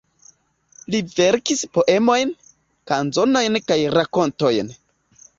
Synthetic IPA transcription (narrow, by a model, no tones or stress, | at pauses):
live̞ɾkispo̞ʔe̞mo̞jn | kanzo̞no̞jnkajɾako̞nto̞jn